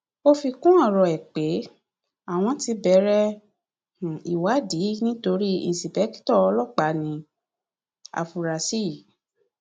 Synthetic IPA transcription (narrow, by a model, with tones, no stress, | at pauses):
o˧fi˧kũ˦ɔ˦˨ɾɔ˨ɛ˨k͡pe˨˦ | a˦˨w̃ɔ̃˧ti˧˦bɛ˨˦ɾɛ˦ | h̩˨i˨wa˨˦di˨˦nĩ˦to˧ɾi˦i˦˨si˨bɛ˨˦ki̥˦tɔ˦ɔ˧lɔ˦˨k͡pa˨˦nĩ˧ | a̰˨fu˨ɾa˨si˦˨